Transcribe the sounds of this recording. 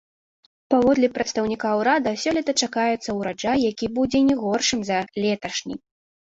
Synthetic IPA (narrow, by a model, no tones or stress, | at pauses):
pavɔd̪lʲipɾɐt̪st̪ɐwnʲikawɾad̪ɐsʲɔlʲit̪ɐt͡ʂakajɛt̪sːɐwɾad͡ʐajːakʲibud͡zʲɛnʲɛɣɔrʂɨmzɐlʲɛt̪ɐʂnʲḭ